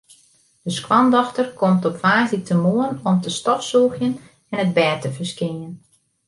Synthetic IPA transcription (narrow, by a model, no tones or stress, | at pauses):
d̥əskwɑndɔxtərkɔmtɔpfaːzitəmoənɔmtəstɔfsuːxjən | ɛnəd̚bɛːtəvəskɪən